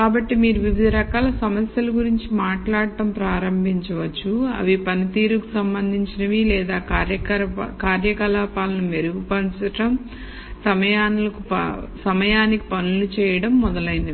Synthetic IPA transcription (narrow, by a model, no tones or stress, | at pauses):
kaːbɐʈːimiːɾuʋib̪ʱɐɾɐkaːlɐsɐmɐsjɐlɐɡuɾiɲt͡ʃimaːʈlaːɽɐʈɐmpɾaːɾɐmbʱiɲt͡ʃɐʋɐt͡ʃːuɐ̰ʋipɐnit̪iːɾukusɐmbɐnd̪ʱiɲt͡ʃinɐʋilɛːd̪aːkːɾjɐɐkaːɾjɐkɐlaːpaːlɐnume̞ɾuɡupɐnt͡ʃɐʈɐm | sɐmɐjaːnulɐkusɐmɐjaːniki̥pɐnulut͡ʃɛːjɐɽɐmːɔd̪ɐlɐjind̪i